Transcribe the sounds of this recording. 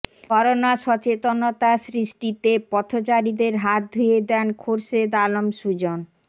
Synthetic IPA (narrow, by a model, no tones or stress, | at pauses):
ɔɾonaʃɔt͡ɕet̪onot̪asɾiʃʈit̪epɔt̪ʰot͡ɕaɾid̪eɾɦat̪̚d̪ʱujed̪ɛnkʰoɾʃed̪alomʃud͡ʑon